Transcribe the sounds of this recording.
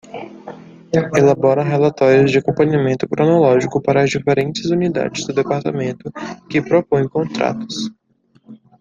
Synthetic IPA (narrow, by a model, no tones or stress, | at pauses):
elabɔɾɐɦelat̪ɔɾjʊzd͡ʒɪakõpɐ̃ɲamẽnt̪ʊkɾõnolɔʒikʊpaɾɐːzd͡ʒifeɾẽnt͡ʃɪzunid̪a̰d͡ʒɪzd̪ʊd̪epaɾt̪amẽnt̪ʊkɪpɾopõj̃kõt̪ɾa̰t̪ʊ̥s